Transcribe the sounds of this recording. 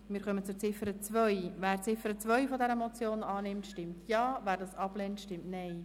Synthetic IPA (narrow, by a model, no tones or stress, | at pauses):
mɪːɾχœmət͡sʊɾt͡sɪfəɾət͡svœʏjvæːɾt͡sɪfəɾət͡svœʏfɔdɛɾəmɔt͡sjoːnɑːnɪmtʃtɪmtʰjɑːvæːɾdɑːsɑb̥leːntʃtɪmtnɛɪ